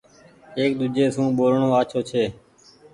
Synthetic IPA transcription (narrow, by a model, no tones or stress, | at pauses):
eːkd̪ud͡ʒeːsũːɓoːɾɳõːaːt͡ʃʰoːt͡ʃʰeː